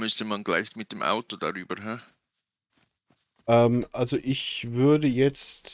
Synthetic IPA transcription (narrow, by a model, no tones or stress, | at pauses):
mʏstəmanɡla̰ɪçtmɪt̚d̥emʔa̰ʊtod̥a̰ʁyːbəɦa | ʔɛːmʔalzoʔɪçvʏɐdəjɛt͡st